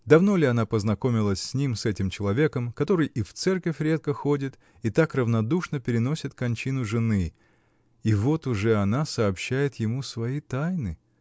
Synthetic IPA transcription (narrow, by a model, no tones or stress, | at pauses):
d̪ɐvno̞lʲɪɐnapəznɐko̞mʲɪlˠəsʲsʲnʲimsɛtʲɪmt͡ɕɪlˠɐvʲe̞kəmkɐt̪o̞ɾɨjʔift̪sɛrkəfʲɾʲe̞t̪̚kəxo̞dʲɪt̪ | it̪akrəvnɐd̪uʂnəpʲɪɾʲɪno̞sʲɪt̪kɐnʲt͡ɕinʊʐɨnɨ | ivo̞t̪ʊʐɛɐnasɐːpɕːæjɪt̪jɪmusvɐit̪ajnɨ